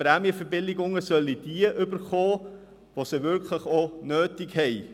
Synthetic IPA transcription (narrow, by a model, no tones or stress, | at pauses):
pɾæmiəfəbɪlɪɡʊŋəsœlːid̥iəʔʏbəɾχoː | ʋosəvʏɾkʰləχonøːtɪkhɛɪ